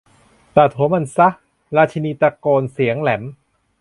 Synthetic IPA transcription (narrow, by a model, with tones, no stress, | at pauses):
t̪a˨˩t̪ʰoː˨˩˦ma˧˨nsa˦˥ | ɾaː˧t͡ɕʰa˧niː˧t̪ɾa˧koː˧nsi˩˦əŋlɛ˩˦m